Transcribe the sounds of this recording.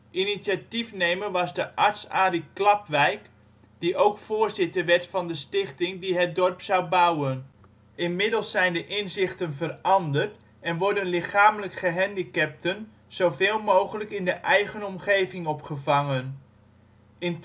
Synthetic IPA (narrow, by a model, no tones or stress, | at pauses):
ʔinitsatifnejməʋɑzdəʔɑɹtsaːdiklɑpʋɛjk | d̥iʔowkfʊːɹzɪtəɹʋɛɹtfɑndəstɪχtɪŋdiɦət̚dɔrpsawbʌwən | ʔɪnmɪdəlˠsːɛjndəʔɪnzɪχtənvərɑndərt | ɛnʋɔɹdənlɪχaːmələkχəɦɛndikɛp̚tən | z̥owveːlˠmowχələkɪndəʔɛjχənɔmχejvɪŋɔpχəvɑŋən | ɪn